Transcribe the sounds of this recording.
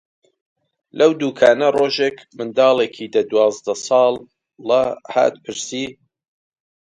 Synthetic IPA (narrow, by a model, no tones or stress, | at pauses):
lʔɐwd̪uːkʰaːnɐroːʒeːkmɨnd̪ɑːlˠeːkʰiːd̪ɐd̪wɑːzd̪ɐsɑːlˠː | ɐha̰ːt̪pʰɨɾsiː